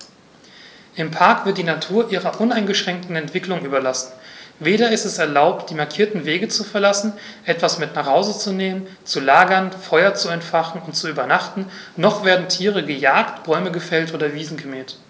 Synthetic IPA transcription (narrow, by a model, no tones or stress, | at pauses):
ʔɪmpʰaɐkv̥ɪɐt̚d̥iːnatʰuːɐʔiːʁɐʔʊnaɪnɡəʃʁ̥ɛŋk̚tn̩ɛntv̥ɪklʊŋʔyːbɐlasn̩veːɾɐɪstɛsɛɐlaʊptd̥iːmaɐkʰiːɐtn̩veːɡət͡sufɛɐlasn̩ʔɛtv̥asmɪtnaːχhaʊzət͡suneːmən | t͡sulaːɡɐnfɔʏɐt͡suɛntfaχn̩ʊntt͡suyːbɐnaχtn̩nɔχv̥eːɐdn̩tʰiːʁəɡəjaːktb̥ɔʏməɡəfɛltʔoːdɐviːzn̩ɡəmɛːt